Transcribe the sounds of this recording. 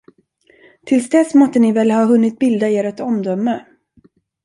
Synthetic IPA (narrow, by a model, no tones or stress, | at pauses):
t̪ʰɪlsd̪ɛsmɔt̪ːənɪvɛlhɑːɦɵnːɪt̪̚bɪld̪aeːɾɛt̪ɔmd̪œmːə